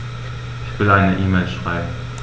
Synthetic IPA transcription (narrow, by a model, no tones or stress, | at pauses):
ɪçv̥ɪlʔaɪnəʔiːmelʃʁ̥aɪbm̩